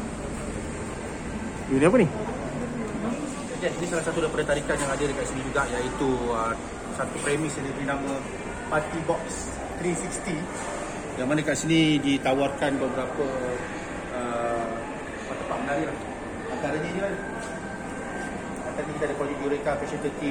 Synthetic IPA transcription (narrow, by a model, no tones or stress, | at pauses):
juniap̬uni | ad͡ʒaʔd͡ʒadisalahsat̪udaipadat̪aɾikanjaŋadədəkaʔsinĩd͡ʒuɡaʔjait̪uə | sat̪upɾemisjanipɾinamə | pat̪ibɔks | t̪ɾisikst̪i | jaŋmanakaʔsinĩdit̪awarkanbabəɾapə | ə | pat̪ːəpaʔ̪̚mənaɾilah | ant̪aɾaɲəd͡ʒua | ant̪aɾanikit̪adəkad͡ʒuʔ̚diɾekapɛsət̪ət̪i